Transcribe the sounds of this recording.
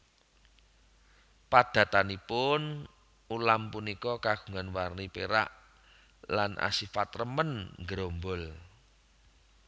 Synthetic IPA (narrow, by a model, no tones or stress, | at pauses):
pad̪̥ä̤t̪anipʊn | ulampunikɔkaɡ̥u̥̤ŋanwarnipeɾa̰ʔ | lanʔa̰sifat̪rəmənŋɡɾombɔl